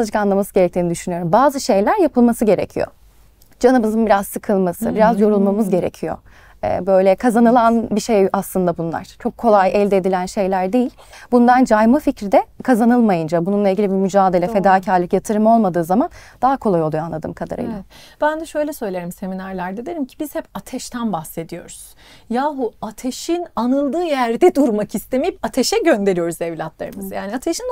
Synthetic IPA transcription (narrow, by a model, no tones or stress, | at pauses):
d͡ʒɯkanlˠamasɯɟeɾɛct̪ʰiːnid̪yʃynyjo̞ɾumbaːzɯʃe̞jlʲæɾjapʰɯlˠmasɯɟe̞ɾḛcʰijo̰ | d͡ʒanɯmɯzɯnbiɾazsɯkʰɯlˠmasɯ̰biɾazjo̞ɾulˠmamɯzɟe̞ɾecʰijo̞̰ | ɛ̰ːbø̞jlʲɛkʰazanɯlˠanbiʃejaslˠɯnd̪abunlˠa̰ɾ̥t͡ʃʰo̞kʰːo̞lˠajɛlʲd̪ɛːd̪ilʲænʃe̞jlʲæɾd̪ejilʲ | bund̪and͡ʒajmaficɾid̪ɛkʰazanɯlˠmajɯnd͡ʒabununlˠailʲɟilʲibimyd͡ʒaːd̪e̞lʲɛfe̞d̪aːcʰaɾlʲˠɯkjat̪ʰɯɾɯmo̞lˠmad̪ɯːzamand̪̥aɦakʰo̞lˠajolˠujoanlˠad̪ɯ̰mkʰad̪a̰ɾɯ̰jlˠab̥ænd̪ɛʃø̞jlʲɛsø̞jlʲe̞ɾimse̞minaɾlʲˠæɾd̪ed̪eɾimcʰi̥biz̥hɛpat̪ʰɛʃt̪ʰænbaxse̞d̪ijo̞ɾuz̥ | jaːɦuat̪ʰeʃinanɯlˠd̪ɯːjæɾd̪ɛd̪uɾmakist̪ʰe̞mijipat̪ʰeʃɛɟønd̪e̞ɾijo̞ɾuzevlʲat̪lˠa̰ɾɯmɯzjaːniat̪ʰeʃin